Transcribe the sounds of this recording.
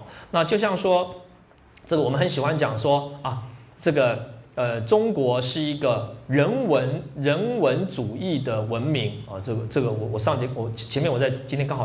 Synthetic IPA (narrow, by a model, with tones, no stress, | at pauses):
na˥˧t͡ɕjo˥˧ʊɕjɑ˥˩ŋʂwɔ˥ | ʈ͡ʂɤ˥˩ə˨wɔ˨˩m˦xə˧˦nɕi˨˩xwa˥nt͡ɕjɑ˨˩ŋʂwɔ˥ɐ˨˩ʈ͡ʂɤ˥˩ɡə˩ə˧ʈ͡ʂʊ˥ŋkwɔ˧˥ʂɻ̩˥˩i˥ɡə˧ɻə˧˥nwə˧˥nɻə˧˥nwə˧˥nʈ͡ʂu˨˩i˥˩d̪ə˩wə˧˥nmi˧˥ŋɐ˥˩ʈ͡ʂɤ˥˩ɡə˩ʈ͡ʂɤ˥˩ɡə˩wɔ˨˩wɔ˨˩ʂɑ˥˧ŋt͡ɕi˧˥wɔ˨˧˩t͡ɕʰɛ˧˥mjnwɔ˨˩t͡sa˥˩ɪt͡ɕi˥t̪ʰɛ˥kŋx